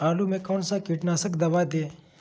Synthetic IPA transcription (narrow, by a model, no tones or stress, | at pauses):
aːlumekoːnsakiʈnaːsəkd̪ɐʋaːd̪eː